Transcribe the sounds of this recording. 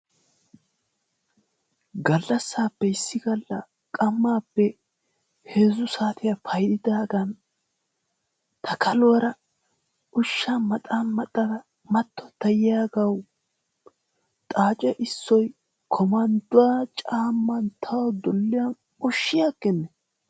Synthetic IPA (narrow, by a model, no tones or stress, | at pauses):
ɡɐlːɐsːaːpːɛɪsːɪɡɐlːɐ̰ | kʼɐmːaːpːɛ | heːzʊsaːt̪ɪjɐpʰɐjd̪ɪd̪aːɡɐn | t̪ʰɐkʰɐlɔɐɾɐ | ʊʃːamɐt̪ʼaːnmɐt̪ʼːɐd̪ɐ | mɐt̪ːɔt̪ɐjɪjaːɡɐw | t̪ʼaːt͡ʃʼɛʔɪsːɔj | kʰɔmɐnd̪ʊwaːt͡ʃʼaːmːɐnt̪ʰɐwd̪ɔlːɪjɐn | ɔʃːɪjaːɡɛnːɛ